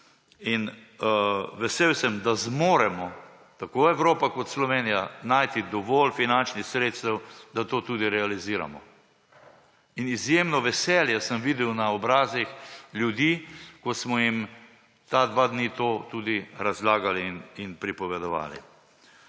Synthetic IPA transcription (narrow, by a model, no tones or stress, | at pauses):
in | ʋɛseːwsəmd̪azmoːɾɛmɔ | t̪akoɛʋɾoːpakɔt̪slɔʋeːnijanajt̪id̪ɔʋɔːlfinant͡ʃnixsɾeːt̪st̪ɛwd̪at̪oːt̪uːd̪iɾɛaliziːɾa̰mɔ | inizjeːmnɔʋɛsɛːljɛsəmʋid̪ɛwnaɔbɾaːzixlʲjud̪iːkɔsmɔjim | t̪ad̪ʋad̪niːt̪oːt̪ud̪iɾazlaːɡalininpɾipɔʋɛd̪ɔʋa̰ːlḭ